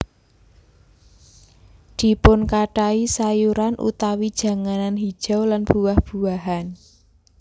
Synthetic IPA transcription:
d̪̥i̤pʊnkaʈaisajuɾanʔṵt̪awid̥ʒ̥ä̤ŋananɦid̥ʒ̥a̤wlanb̥uwahb̥ṳwaɦan

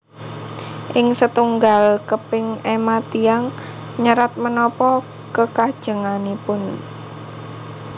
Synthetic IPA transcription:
ʔɪŋsət̪uŋɡalkəpɪŋemat̪iaŋɲəɾat̪̚mənɔpɔ | kəkad̥ʒ̥ə̤ŋanipʊn

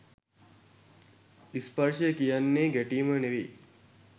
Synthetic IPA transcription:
ispəɾʂəjəkijanːeːɡæʈiːməneʋi

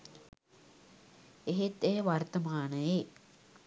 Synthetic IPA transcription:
eɦet̪ejəʋart̪əmaːnəje

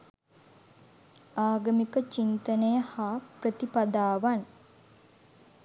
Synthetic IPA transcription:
aːɡəmikət͡ʃint̪ənəjəhaːprət̪ipad̪aːʋan

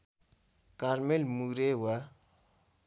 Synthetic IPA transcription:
kaɾmelmuɾewa

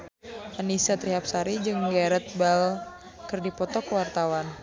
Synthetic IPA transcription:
ʔanisat̪ɾiɦap̚saɾid͡ʒɨŋɡaɾət̪̚bal | kɨrdipɔt̪ɔkəwart̪awan

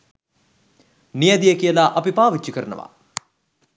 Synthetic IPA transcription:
nijəd̪ijəkijəlaʔɐpipaːʋit͡ʃːikəɾənə̰ʋa̰

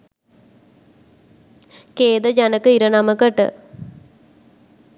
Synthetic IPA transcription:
keːd̪əd͡ʒanəkəiɾənaməkəʈə̰

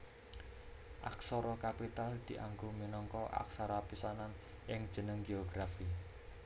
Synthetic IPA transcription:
ʔa̰ksɔɾɔkapit̪ald̪̥iʔaŋɡominɔŋkɔʔa̰ksaɾapisanan | ʔɪŋd̥ʒ̥ə̤nəŋɡeɔɡɾafi

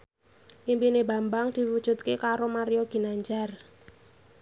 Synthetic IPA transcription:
ʔimpineba̤mbaŋd̪̥i̤wud̥ʒ̥ṳt̪̚kekaɾomaɾijoɡ̥i̤naɲd͡ʒar

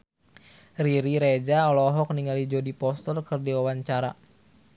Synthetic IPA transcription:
riɾiɾed͡ʒaɔlɔɦɔk̚niŋalid͡ʒɔdipɔst̪ɔrkɨrdiwawaɲt͡ʃaɾa

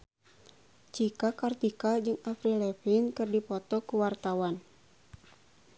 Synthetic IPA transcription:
t͡ʃikakart̪ikad͡ʒɨŋafɾilɛfinkɨrdipɔt̪ɔkuwart̪awan

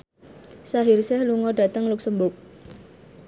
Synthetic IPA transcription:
saɦirsɛhluŋɔɖa̤t̪əŋlʊk̚səmbʊk̚

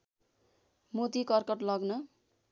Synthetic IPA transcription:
mot̪ikʌrkʌʈlʌɡnʌ

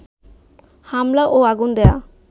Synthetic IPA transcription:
hamlaʔoaɡund̪ɛja

